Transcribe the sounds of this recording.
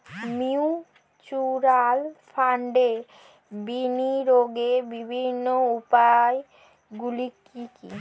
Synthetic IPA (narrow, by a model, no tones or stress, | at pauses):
miu | t͡ɕuɾalfʰaɳɖe | biniɾoɡebibʱinːoupae | ɡulikikḭ